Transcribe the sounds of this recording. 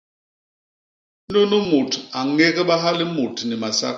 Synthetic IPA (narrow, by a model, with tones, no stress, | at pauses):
no˦nu˦mo˨tʰa˨ŋe˦ɣɛ˦ɓa˦ɦa˦lɪ˦mo˨tʰni˨ma˨sa̰˦